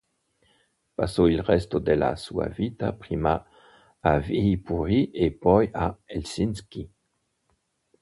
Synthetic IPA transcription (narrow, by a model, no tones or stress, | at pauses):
pasoilʁɛst̪od̪ela̰sua̰vit̪apχimaː | vipuʁiʔepɔjaelsinskʲi